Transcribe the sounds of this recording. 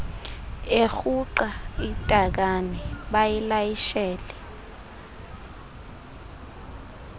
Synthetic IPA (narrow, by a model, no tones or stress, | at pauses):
exuǃaitʼak̬anɛɓajilajiʃɛːlɛ